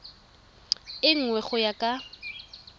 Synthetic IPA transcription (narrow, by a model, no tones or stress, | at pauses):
ɪŋ̩ŋwɛχʊjakʼa